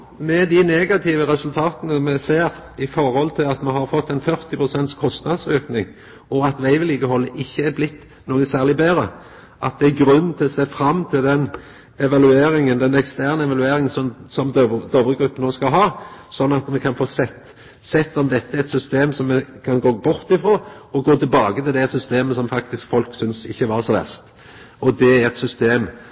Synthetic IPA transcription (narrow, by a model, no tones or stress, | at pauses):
mɛd̪ɪneːɡɑt̪ʰiːʋəɾɛsʉlt̪ʰɑːt̪ənəmɛseːɾɪfɔɾhɔlt̪ʰɪlɑt̪mɛɦɑɾfɔt̪ːɛɪnfœɾt̪ɪpʁʊsɛnt̪skʰɔst̪nɑd̪søːknɪŋ | ɔɑt̪ʋæɪʋɪliːɡəhɔlːəʔɪçːəæɾblɪt̪ː | noːɡəsæːʁlɪbeːɾə | ʔɑ̰t̪̚d̪ɛæɡɾʉnːənt̪ʰɪlɔseːfɾɑmːt̪ʰɪld̪ɛn | ɛʋɑlʉeːɾɪŋənd̪ɛnɛkst̪æʁnəɛʋɑlʉeːɾɪŋənsɔmsɔmd̪d̪ɔbɾəɡɾʉpːənoːskɑlɦɑːsɔnːɑt̪mɛkʰɑnfoːsɛt̪ | sɛt̪ːɔmd̪ɛt̪ːəæɾɛt̪sʏst̪eːmsɔmːɛkʰɑnɡoːbʊɾt̪ɪfɾoːɔɡoːt̪ʰɪlbɑːɡət̪ɪld̪ɛsʏst̪eːməsɔmfɑkt̪ɪskfɔlksʏnsɪ̰çːəʋɑɾsɔʋæ̰st̪ | ɔd̪ɛæɾɛt̪sʏst̪eːm